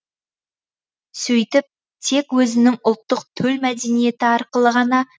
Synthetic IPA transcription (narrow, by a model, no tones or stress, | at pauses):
sɵjt̪ɪp̚ | t̪ʰe̞kwɵzɪnɪŋʊlˠt̪ːəqt̪ʰɵlmæd̪e̞nije̞t̪ɪɑɾqəlˠəʁɑnɑ